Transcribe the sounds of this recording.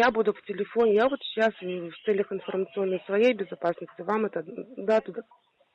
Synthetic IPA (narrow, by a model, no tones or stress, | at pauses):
jabud̪ʊftʲɪlʲɪfo̞nʲɪjavo̞t̪ɕːasft̪sɛlʲəxɪnfərmət̪sɨo̞nːəjsvɐjejbʲɪzɐpasnəsʲtʲɪvamɛt̪əd̪at̪ud̪a